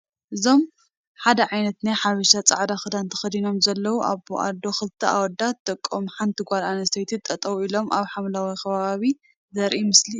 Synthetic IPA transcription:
ʔɨzo̞m | ħad̪ɐʕajnɐt̪najħaβiʃat͡sʼa̰ʕd̪axɨd̪ant̪ʰɐ̥xɐd̪ino̞mzɐlːɐwuʔa̰βoa̰d̪o̞xɨlt̪ʰːɐa̰wɔd̪at̪ʰːɐkʼːomħant̪ʰiɡʷalanɐst̪ʰɐjt̪ʰit̪ʼːɐt̪ʼɐwuilo̞mʔaβħamlawikʰɐβaaβi | zɐɾʔimɨsli

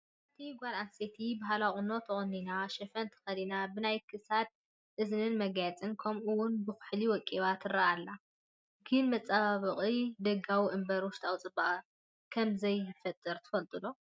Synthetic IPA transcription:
ʔɐt̪ʰiɡʷalanset̪ʰibaɦalaχʼɨno̞t̪ʰɨχʼɨnːinaʃɛfɐnt̪ʰɐ̥xɐlinabɨnajkʰɨsad̪̚ | ʔɨznɨnmɐɡjat͡sʼɨnkʰɐmʔuwʊnbɨxɨħliwɔkʼːiβat̪ʰɨraʔalːa | ɡɨnmɐt͡sʼːaβaβɨχʼid̪ɐɡawiʔɨmbɐɾwɔʃt̪ʰʼawt͡sʼɨbaʔɐ | kʰɐmzɐjɨfɐt̪ʼːɨɾt̪ʰɨ̥fɐlt̪ʼɨlo

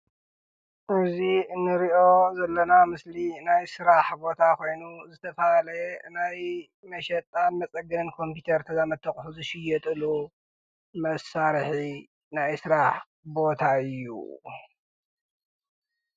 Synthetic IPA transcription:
ʔɨziɨnːɨɾiʔo̞zɐlːɐnamɨslinajsɨɾaħbo̞t̪ʰakʰo̞jnuzɨt̪ʰɐfɐalɐnaj | mɐʃɛt̪ʼːanmɐt͡sʼɐɡɐnkʰo̞mpit̪ʰɐɾt̪ʰɐzamɐt̪ʰːɐχʼħuzɨʃɪjːɛt̪ʼɨlu | mɐsaɾħi | najsɨɾaħ | bo̞t̪ʰaɨjːṵ

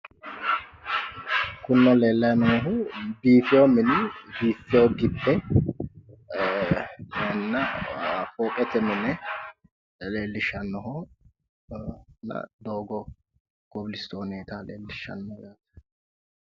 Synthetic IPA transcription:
kʊnːɔleːlːɐjnɔɦʊbiːfɪjomɪnɪbiːfːɪjoɡɪbːɛ | jɛnːɐfɔːkʼɛt̪ɛmɪnɛ | leːlːɪʃɐnːɔɦɔ | nɐ̰d̪oːɡɔ | ɡ̥ɔblɪst̪oːneːt̪aleːlːɪʃːɐ̰nːɔɡat̪

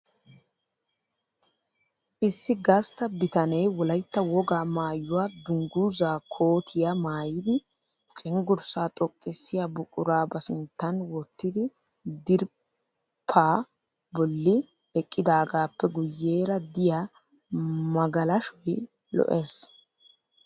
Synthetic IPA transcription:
ʔɪsːɪɡɐst̪ɐbɪt̪ɐnɛjwɔlɐjt̪ːɐwɔɡaːmaːjːʊwaːd̪ʊŋɡuːzaːkʰoːt̪ʰɪjamaːjɪd̪ɪ | t͡ʃʼɪŋɡʊɾsaːt̪ʼɔkʼːɪsːɪjabʊkʼʊɾaːbɐsɪnt̪ːɐnwɔt̪ːɪd̪ɪ | d̪ɪɾ | pʰːaː | bɔlːɪ | ɛkʼːɪd̪aːɡaːpːɛɡʊjːe̞ːɾɐd̪ɪja | mɐɡɐlɐʃɔj | lɔ̰ʔeːs

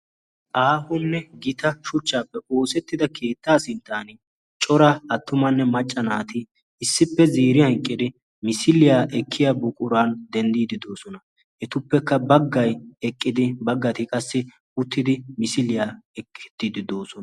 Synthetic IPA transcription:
ʔaːhʊnːɛɡɪt̪ʰɐʃʊt͡ʃːaːpːɛo̞ːsɛt̪ːɪd̪ɐkʰe̞ːt̪ːaːsɪnt̪ʰːaːnɪ | t͡ʃʼɔɾɐɐt̪ːʊmɐnːɛmɐt͡ʃʼːɐnaːt̪ɪ | ɪsːɪpːɛziːɾɪhɐŋkʼːɪd̪ɪ | mɪsɪlɪjaːʔɛkʰːɪjabʊkʼʊɾaːnd̪ɛnd̪iːd̪ɪd̪o̞ːsɔnɐ | ʔɛt̪ʊpːɛkːɐbɐɡːɐjɛkʼːɪd̪ɪbɐɡːɐt̪ɪkʼɐsːɪ | ʊt̪ːɪd̪ɪmɪsɪlɪjaːɛkʰːɛ̥t̪ːɪd̪ɪd̪oːsɔnɐ

